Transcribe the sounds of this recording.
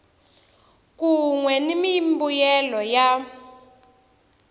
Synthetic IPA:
k̬uŋwɛnimimbujɛlɔja

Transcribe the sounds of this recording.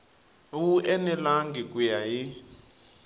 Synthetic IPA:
wuʔɛnɛlaŋɡikʼujaji

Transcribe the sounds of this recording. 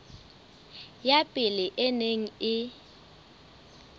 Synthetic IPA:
japʼɪlɪʔɪneŋ̩ɪ

